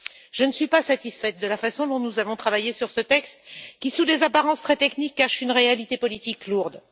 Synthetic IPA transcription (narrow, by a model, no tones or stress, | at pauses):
ʒ̥ənəsɥipasat̪isfɛt̪̚d̪əlafasɔ̃d̪ɔ̃nuzavɔ̃t̪χavajesyʁsət̪ɛkst̪kʲisud̪ezapaʁɑ̃st̪χɛt̪ɛknikːaʃynʁealit̪epɔlit̪ikluʁd̪